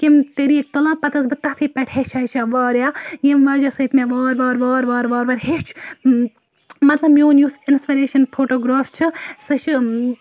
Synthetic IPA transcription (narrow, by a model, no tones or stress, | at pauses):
kimt̪eɾiːek̚t̪olãːpɐt̪ɐs̬bɨt̪ɐɦt̪ʰiːpɛʈʰhet͡ʃʰɐt͡ʃʰaʋaːɾjaːjemʋaːd͡ʒɐsɐt̪meʋaːɾʋaːɾʋaːɾʋaːɾʋaːɾʋɐɾʲhet͡ʃʰ | mɐt̪lɐbmjoːnjusinspiɾeːʃɐnpʰoːʈoːɡɾaːft͡ʃʰɨsɨʃʰ